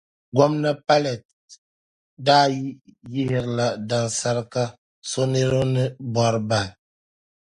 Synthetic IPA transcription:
ɡɔ˦mna˦pa˦lɛ˨t̚ | daː˦ji˦ji˦hɪ˨ɾla˨da˨nsa˦ɾka˦ | so˦ne˦ɾo˦nɨ˦ba˨ɾba˨n

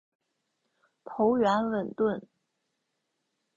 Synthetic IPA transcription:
pʰo˧˥ʊɥɛ˧˥nwə˨˩nt̪wə˥˩n

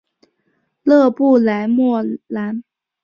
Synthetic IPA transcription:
lɤ˥˧pu˥˩la˧˥ɪmwɔ˥˩la˧˥n

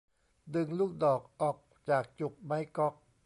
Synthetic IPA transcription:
dɯ˧ŋluː˥˩k̚dɔː˨˩k̚ʔɔː˨˩k̚ | t͡ɕaː˨˩k̚t͡ɕu˨˩k̚ma˦˥jkɔ˦˥k̚

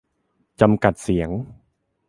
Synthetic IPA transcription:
t͡ɕa˧mka˨˩t̪̚si˩˦əŋ

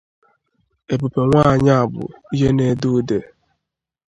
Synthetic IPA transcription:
e˨pu˨pe˨ŋʷaː˦˨ɲa˦a˨bʊ̰˨i˦ɦe˦ne˦du˦de˨

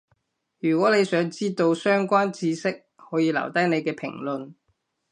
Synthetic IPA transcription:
jyː˨˩kʷwɔː˨˥ne˨˧jsœː˨˥ŋt͡siː˥t̪o˧wsœː˥ŋkʷaː˥nt͡siː˧sɪ˥k̚hɔː˨˥jiː˨˧lɐ̰˨˩wt̪ɐ˥jne˨˧jkɛː˧pʰɪ̰˨˩ŋlɵ˨n

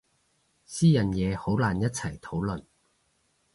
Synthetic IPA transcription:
siː˥jɐ˨njɛː˨˧ho˨˥wlaː˨˩njɐ˥t̚t͡sʰɐ˨˩jt̪ʰo˨˥wlɵ˨n

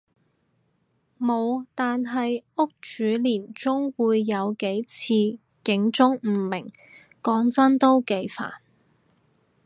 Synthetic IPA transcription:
mo˨˧wt̪aː˨nɦɐ˨jʊ˥k̚t͡ʃyː˨˥liː˨˩nt͡sʊ˥ŋwuː˨˧jːɐ˨˧wke˨˥jt͡sʰiː˧ | kɪ˨˥ŋt͡sʊ˥ŋm̩˨˩mɪ˨˩ŋ | kɔː˨˥ŋt͡sɐ˥nt̪o˥wke˨˧jfa̰ː˨˩n

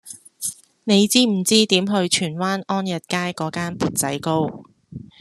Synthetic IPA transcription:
ne˨˧jt͡siː˥m̩˨˩t͡siː˥t̪iː˨˥mɦɵ˧ɥt͡ʃʰyː˨˩nwaː˥nɔː˥njɐ˨t̚kaː˥jkɔː˨˥kaː˥npuː˨t̚t͡sɐ˨˥jko˥w

